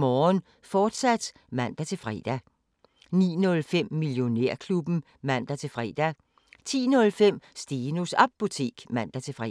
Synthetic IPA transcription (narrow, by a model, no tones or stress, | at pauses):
mɒːn | fɒːd̥sæd̥ | mæn̰d̥æt͡sʰe̝lfʁɛ̰d̥æ | nḭːnɔ̽lfem̰ːiljo̝neɐ̰kʰlub̥n̩ | mæn̰d̥æt͡sʰe̝lfʁɛːd̥æ | t͡sʰḭːnɔ̽lfem̰sd̥eːnusɑ̈b̥ːot͡sʰe̝̰ːɡ̥mæn̰d̥æt͡sʰe̝fʁɛ